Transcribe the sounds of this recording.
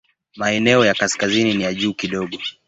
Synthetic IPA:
maɛnɛɔjakaskazininijaʄuːkiɗɔɠɔ

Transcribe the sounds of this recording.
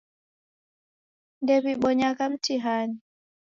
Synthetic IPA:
ndɛβiɓɔɲakam̩tiɦaɲi

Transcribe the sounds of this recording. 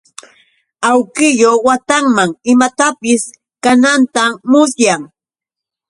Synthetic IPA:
awkɪjowat̪aŋmaŋɪmat̪apɪs | kanant̪amʊs̬jaŋ

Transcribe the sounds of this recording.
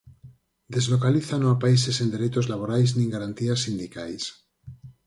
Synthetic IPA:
d̪ezlokaliθanoapaisesend̪e̞ɾet̪ozlaβoɾajznĩŋɡaɾant̪iasːind̪ikajs

